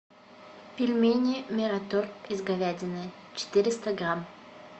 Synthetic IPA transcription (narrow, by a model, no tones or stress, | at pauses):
pʲɪlʲmʲenʲɪmʲɪɾɐt̪orɪzɡɐvʲædʲɪnɨt͡ɕɪ̥t̪ɪɾʲɪst̪əɡɾam